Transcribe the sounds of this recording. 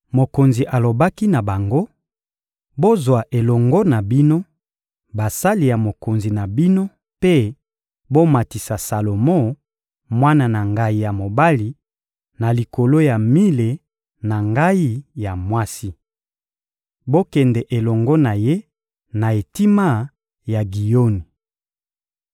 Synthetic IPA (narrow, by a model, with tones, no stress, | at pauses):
mo˨ko˨nzi˨ʔa˨lo˨ba˦ki˦na˨ba˨ŋɡo˦ | bo˦zwa˨ʔe˨lɔ˨ŋɡɔ˦na˨bi˦no˦ | ba˨sa˦li˨ja˨mo˨ko˨nzi˨na˨bi˦no˦ | pe˦ | bo˦ma˨ti˨sa˨sa˨lo˨mo˦ | mwa˦na˨na˨ŋɡa˦i˦ja˨mo˨ba˦li˨ | na˨li˨ko˨lo˦ja˨mi˦le˨ | na˨ŋɡa˦i˦ja˨mwa˦si˦ | bo˦kɛ˨ndɛ˨ʔe˨lɔ˨ŋɡɔ˦na˨je˦ | na˨e˨ti˦ma˦ | ja˨ɡi˨jo˦ni˨